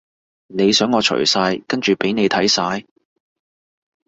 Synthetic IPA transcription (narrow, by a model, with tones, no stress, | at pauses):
ne˨˧jsœː˨˥ŋːɔː˨˧t͡ʃʰɵ̰˨˩jsaː˧jkɐ˥nt͡ʃyː˨pe˨˥jne˨˧jt̪ʰɐ˨˥jsaː˨˧j